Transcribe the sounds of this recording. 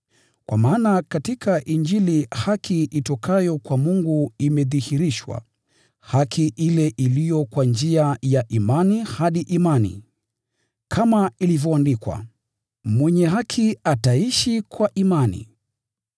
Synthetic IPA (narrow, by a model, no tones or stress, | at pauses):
kwamaːnakatikʰaʔind͡ʒilihakʰiʔitɔkʰajɔkwamuŋɡuimɛðihiɾiʃwa̰ | hakʰiʔilɛʔilijɔkwand͡ʒiajaʔimanihaɗiʔimanḭ | kʰamailivjɔandikwa̰ | mwɛɲɛɦakʰiataiʃikwaʔimanḭ